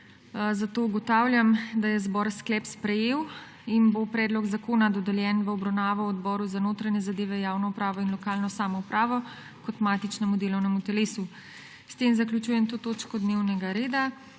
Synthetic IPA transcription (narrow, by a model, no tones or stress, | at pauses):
zat̪ouɡɔt̪aːwlʲjamd̪ajɛzbɔɾsklɛpspɾɛjeːw | inbopɾɛːd̪lɔɡzakoːnad̪ɔd̪ɛljɛnʋəɔbɾawnaːʋɔwɔd̪bɔːɾuzanoːt̪ɾaɲɛzad̪eːʋɛjaːwnɔupɾaːʋɔinlɔkaːlnɔsaːmɔupɾaːʋɔ | kɔt̪maːt̪it͡ʃnɛmud̪eːlɔwnɛmut̪ɛleːsu | st̪emzaklʲjut͡ʃujɛmt̪oːt̪oːt͡ʃkɔd̪newnɛɡaɾeːd̪a